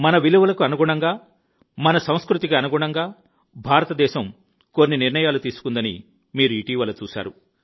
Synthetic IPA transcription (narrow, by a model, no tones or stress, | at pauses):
mɐnɐʋiluʋɐlɐkuɐnuɡuɳɐŋɡaː | mɐnɐsɐ̃w̃skɾut̪iɡaːɐnuɡuɳɐŋɡaː | bʱaːɾɐt̪ɐd̪ɛːʃɐm | ko̞nːiniɾnɳɐjaːlut̪iːsu̥kund̪ɐnḭ | miːɾuiːʈiːʋɐlːɐt͡ʃuːʃa̰ːɾu